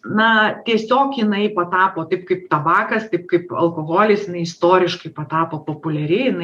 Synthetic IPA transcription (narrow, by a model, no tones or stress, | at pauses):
nɐt̪ʲiɛsʲoːkjɪnɐɪpɐt̪ɑːpoːt̪ɐɪpkɐɪpt̪ɐbɑːkɐst̪ɐɪp̚kɐɪpɐ̰lˠkoːɣoːlʲɪsjɪnɐɪɪst̪oːɾʲɪʃkɐɪpɐt̪ɑːpoːpoːpʊlʲɛɾʲɪjɪnɐɪ